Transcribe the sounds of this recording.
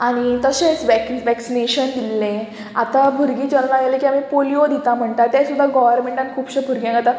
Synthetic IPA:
aɽ̃it̪əɕẽsʋɛkʋɛksineɕənd̪ilːẽ | a̰t̪abʱuɾɡiːt͡ɕəɾnaɡelekiamipoliod̪ʱit̪am̤əɳt̪at̪ːɛsud̪ʱːaɡɔʋəɾmeɳʈankʰuːbɕebʱuɾɡjãŋɡat̪a

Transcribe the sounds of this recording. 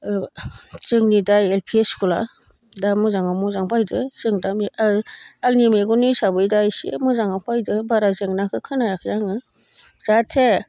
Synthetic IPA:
t͡ʃɯŋnidajelpʰieskula̰ | damɯzaŋamɔzaŋpʰajdɯsɯŋdami | ak̚nimeɡɔnɯjsabɯjdajsḭmɯzaŋapʰajdɯbaɾazɯŋnakʰɯkʰɯnajakʰɯjaŋɯ | z̥atʰe

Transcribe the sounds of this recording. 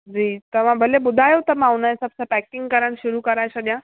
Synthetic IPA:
d͡ʑiːt̪əʋ̤ãbʱəlebud̪ʱajot̪əmaaʋnajsəb̚sapɛkiŋɡ̚kəɾəɳɕuɾuːkəɾajɕad̪jã

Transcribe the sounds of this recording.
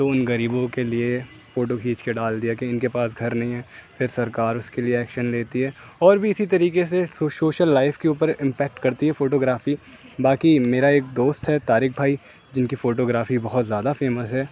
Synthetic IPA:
t̪oːʊnɡɐɾiːbõkelie | foːʈokʰiːt͡ʃkeɖaːld̪ijakeɪnkepaːsɡʱɐɾnɐɦĩɦɛːfɪɾsɐɾkaːɾʊskelieɛːkʃənleːt̪iɦɛː | ɔːɾbʱiɪsit̪ɐɾiːkesesoːsoːʃəlːaːɪfkeuːpəɾɪ̃mpɛːk̚ʈkɐɾt̪iɦɛfoːʈoːɡɾaːfi | baːkimeːɾaeːk̚d̪oːst̪ɦɛt̪aːɾɪk̚bʱaːi | d͡ʒɪnkifoːʈoːɡɾaːfibɐɦɔt̪zjaːd̪afeːməsɦɛː

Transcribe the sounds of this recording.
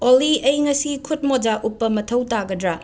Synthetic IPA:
oliɐjŋɐsikʰut̚mod͡ʒaʔupːɐmɐtʰɐwtaɡɐdɾa

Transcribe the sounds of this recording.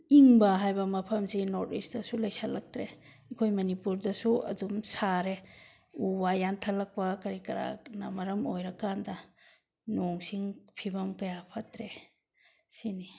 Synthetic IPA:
iŋbɐɦajbɐmɐpʰɐmsinɔɾtisdɐsulɐjsalɐk̚tɾe | ekʰojmɐnipuɾdɐsuɐ̰dumsaɾe | ubajantʰɐlɐk̚pɐkɐɾikɐɾa̰nɐmɐɾɐmojɾɐkandɐ | noŋsiŋpʰibɐmkɐjapʰɐtɾe | sini

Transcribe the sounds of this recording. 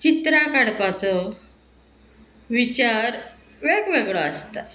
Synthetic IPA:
t͡ɕit̪ɾakaɽpat͡sɔ | ʋit͡ɕaɾ | ʋeɡʋeɡɭɔəst̪a

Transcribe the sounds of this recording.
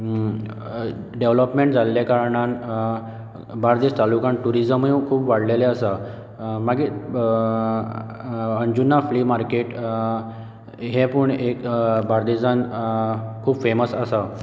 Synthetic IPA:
ɖeʋləpmeɳʈd͡zalːjakaɾɳan | baɾd̪est̪alukaɳʈuɾid͡zəmɦekʰuːbʋaɽleleəsə | maɡi | ənd͡ʑunːafliːmaɾkeʈ | ɦẽpəɳekbaɾd̪id͡zan | kʰuːbfeməsəsa

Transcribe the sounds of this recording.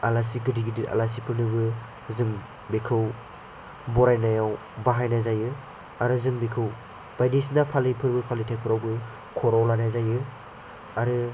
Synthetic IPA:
alas̬iɡɯdiɡidita̰las̬ipʰɯɾnɯbɯ | zɯm | bekʰɯw | bɔɾajnajaw | baɦajnazajɯ | aɾɯzɯŋbekʰɯw | b̥ajnisnapʰalipʰɯɾbɯpʰalitʰaj̚pʰɯɾawbɯ | kʰɔɾɔwlanajzajɯ | aɾɯ

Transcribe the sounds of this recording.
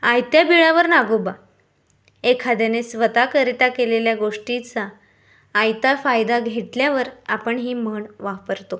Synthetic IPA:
ajt̪jabiɭaʋəɾnaɡoba | ekʰad̪janesʋət̪akəɾt̪akeleljaɡoʂʈit͡saː | jt̪afajd̪aɡʱeʈljaʋəɾapəɳɦiːməɳʋapəɾt̪o

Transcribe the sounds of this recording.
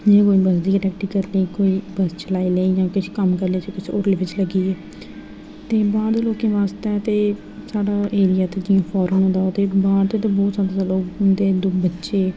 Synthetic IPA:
d͡ʒeːkoːiːbəsd̪iːɾɛːk̚ʈiːkəɾləiːkoːiːbəst͡ʃəlaːiːleːiːd͡ʒãːkɪʃʰkəmkəɾleːt͡ʃekɪsʰoːɾleːʋɪt͡ʃləɡiːɛː | t̪eːbaːd̪loːkẽːʋaːst̪ɛːt̪eː | saːɖaːʔeːɾɪjaːt̪eːd͡ʒɪjãːpʰɔːɾəːnõːd̪aːot̪eːbaːɾt̪eːt̪eːbɔːt̪saːd̪aːaloːkʊnd̪eːd̪ʊbətːʃeː

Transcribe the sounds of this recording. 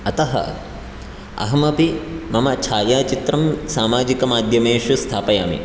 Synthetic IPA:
ɐt̪ɐɦɐ̰ | ɐ̰ɦɐmɐpimɐmɐt͡ʃʰaːjaːt͡ʃit̪ɾɐmsaːmaːd͡ʒikɐmaːd̪ʱjɐmeːʃust̪ʰaːpɐjaːmḭ

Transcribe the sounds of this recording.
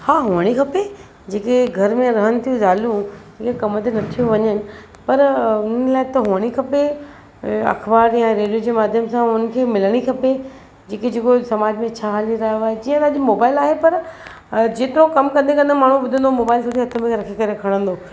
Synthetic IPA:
haːɦʊʋəɽ̃ikʰɐpe | d͡ʑeːkeɡʱɐɾmẽɾɐɦənɪt̪ʰijũzaːlũd͡ʑeːkekɐmət̪enɐt̪ʰijoʋɐɲənɪ̆ | pɐɾʊn̤əlaːɪt̪ɐɦʊʋəɽ̃ikʰɐpe | ɐ̰xbaːɾjãɾeːɽijod͡ʑemaːd̪ʱjəmsãʊnən̆kʰeːmɪləɽ̃ikʰɐpe | d͡ʑeːked͡ʑeːkosɐmaːd͡ʑmẽt͡ɕʰaːɦaːliɾɐɦjoaːɦed͡ʑiːə̃t̪aːʄimoːbaːɪlaːɦepɐɾ | d͡ʑeːt̪ɪɾõkɐmkɐ̃nd̪ekɐ̃nd̪maːɳ̤ũbʊd̪ʱə̃nd̪omoːbaːɪlsoʈ̪ʰiɦɐt̪ʰəmẽɾɐkʰikɐɾekʰɐɽ̃ə̃nd̪oː

